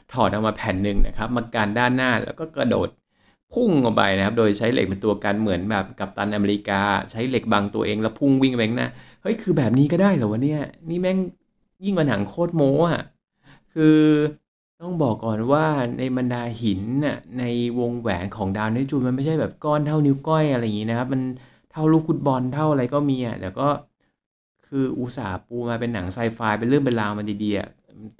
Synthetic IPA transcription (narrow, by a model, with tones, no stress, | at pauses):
t̪ʰɔː˨˩t̪̚ʔa˧wmaː˧pʰɛː˨˩˦nːɯ˨˧ŋna̰˦˥kʰɾa˦˥p̚maː˧kaː˧ndaː˥˩nːaː˥˩lɛ̰˦˥wkɔː˥˩kɾa̰˧do̰ː˨˩t̪̚ | pʰu˥˩ŋʔɔ˨˧˩pa̰˧jna˦˥kʰa˦˥p̚doː˧jt͡ɕʰa˦˥jlḛ˨˩k̚ma˧t̪u˧ɐka˧nmɯ˩˦ənbɛː˨˩p̚ka˨˩p̚t̪a˧nʔa˧meː˧ɾi˧˥kaː˧t͡ɕʰa˦˥jle˨˩k̚ba˧ŋt̪u˧ɐʔeː˧ŋlɛː˦˥wpʰu˥˩ŋwi˥˩ŋʔaː˨˩˧na̰ː˥˩hɤ˦˥jkʰɯː˧bɛː˨˩p̚niː˦˥kɔː˥˩daː˥˩jlɛː˩˦wa˧nːi˦˥ɐniː˥˩mɛ˦˥˩ŋ | ji˥˩ŋʔa˧naː˩˦ŋkʰoː˥˩t̪̚moː˦˥ʔa̰˨˩ | kʰɯː˧ | t̪ɔ˥˩ŋbɔː˨˩kːɔː˨˩nwaː˥˩na˧jba˧ndaː˧ɦi˨˩˦nʔa˨˩na˧jwo˧ŋwɛ̰ː˩˦ŋkʰɔː˩˦ŋdaː˧wna˦˥˦t͡ɕu˨˩t̚ma˧nma˥˩jt͡ɕʰa˥˩jbɛː˨˩p̚kɔː˥˩nt̪ʰa˥˩wniː˧˦˥kɔ˥˩jʔa˧ɾa˧jŋiː˦˥na˦˥kʰa˦˥p̚ma˧n | t̪ʰa˥˩wluː˦˥˩k̚fʰu˦˥t̪̚bɔ˧nt̪ʰa˥˩wʔa˧ɾa˧jkɔː˥˩miː˧ʔa̰˨˩t̪ɛː˨˩wkɔː˥˩ | kʰɯː˧ʔu˧˩sa̰ː˩˦puː˧maː˧pe˧nːa̰˨˩˦ŋsaː˧jfaː˧jp̬e˧nlɯ˥˩mpa˧nlaː˧wma˧ntiː˧diː˧ʔa̰˨˩